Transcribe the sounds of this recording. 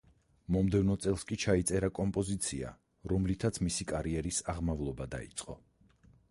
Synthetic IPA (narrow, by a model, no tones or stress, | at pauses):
mɔmd̪ɛvnɔt̪sʼɛlˠskʼit͡ʃʰait̪sʼɛɾakʼɔmpʼɔzit̪sʰia̰ | ɾɔmlit̪ʰat̪sʰmisikʼaɾiɛɾisaʁmavlˠɔbad̪a̰ḭt̪sʼqʼɔ̰